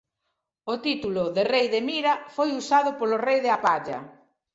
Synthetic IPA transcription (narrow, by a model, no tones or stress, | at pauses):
ot̪it̪ulʊðerejðemiɾɐfojusaðʊpolorejðɪapaʎɐ̰